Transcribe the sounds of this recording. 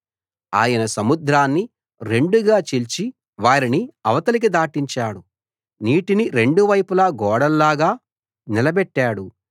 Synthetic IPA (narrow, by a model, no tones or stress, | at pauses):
a̰ːjɐnɐsɐmud̪ɾaːnːi | ɾe̞ɳɖuɡaːt͡ʃilt͡ʃi | ʋaːɾiniɐʋɐt̪ɐlik̬id̪aːʈiɲt͡ʃaːɽu | niːʈiniɾe̞ɳɖuʋɐjpulaːɡɔːɽɐlːaːɡaː | nilɐbɛʈːaːɽu